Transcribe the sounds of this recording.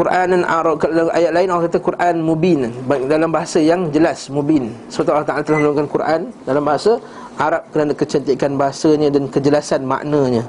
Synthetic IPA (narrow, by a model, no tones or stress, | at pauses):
kuɾʔananaɾakəaʔa̰jat̪̚laɪnalkat̪akuɾʔanmũbinnbaik̚dalambaɦasajaŋd͡ʒəlasmõbinsəpat̪ualːaht̪aʔalat̪əlahməluŋkankuɾʔandalambaɦasa | ʔaɾap̚kənadakət͡ʃənt̪ikanbaɦasaɲə̃dankəd͡ʒəlasanma̰ʔnə̃ɲə̃